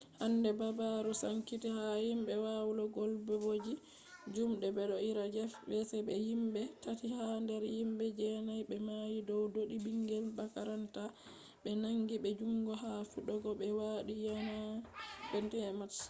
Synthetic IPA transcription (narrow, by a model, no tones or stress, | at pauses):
handɛbabaɾɔsaŋkitihajimbɛwawlɔɡɔlbɛbod͡ʒi | d͡ʒumɗɛbɛɗɔiɾad͡ʒɛfbɛsɛbɛjimɓɛtatihandɛɾjimbɛd͡ʒɛnajbɛmajidɔwdoɗibiŋɡɛlbakaɾanta | ɓɛnaŋɡibɛd͡ʒuŋɡɔɦafuɗɔɡɔɓɛwaɗijanabɛntɛmat